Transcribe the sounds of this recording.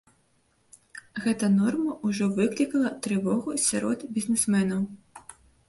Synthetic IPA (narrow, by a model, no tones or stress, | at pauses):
ɣɛt̪ɐnɔrmɐʔuʐɔvɨklʲikɐlˠɐt̪ɾɨvɔɣusʲaɾɔd̪bʲizʲnɛsmɛnɐw